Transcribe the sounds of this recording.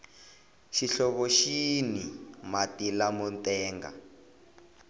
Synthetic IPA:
ʃiɬɔβɔʃinimatilamɔntʼɛːŋɡa̰

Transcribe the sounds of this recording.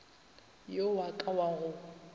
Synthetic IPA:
jowakʼawaɣʊ

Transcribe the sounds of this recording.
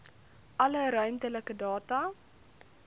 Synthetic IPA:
ʔɐləɾœɥmtələkədɑːtɐ

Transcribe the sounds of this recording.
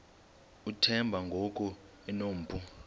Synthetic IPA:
utʰɛmbʱaŋɡʱokʼu | ɛnoːm̩pʰʼu

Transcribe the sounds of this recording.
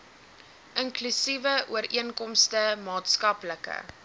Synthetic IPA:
ʔəŋklysivəuəɾiənkɔmstəmɑːtskɐpləkə̰

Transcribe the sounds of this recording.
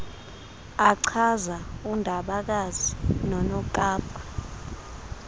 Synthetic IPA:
aǀʰazaundʱaɓak̬azinɔnɔkʼaːpʰa

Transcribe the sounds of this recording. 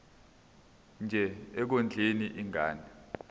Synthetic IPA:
nd͡ʒʱɛɛk̬ond͡ɮʱeniʔiŋaːnɛ

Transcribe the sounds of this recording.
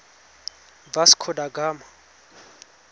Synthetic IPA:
basi̥kʰɔdaɡaːma

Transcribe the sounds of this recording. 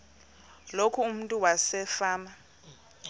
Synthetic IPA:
lokʰuːm̩ntʼuwasɛfaːma

